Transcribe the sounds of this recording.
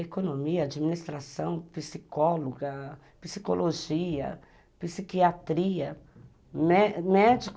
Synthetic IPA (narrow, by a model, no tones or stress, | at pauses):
ekonõmiɐad͡ʒimĩnist̪ɾasɐ̃w̃pisikɔloɡɐ | pisi̥kolʔoʒiɐ̰ | pisikiat̪ɾiɐ | mɛmɛd͡ʒik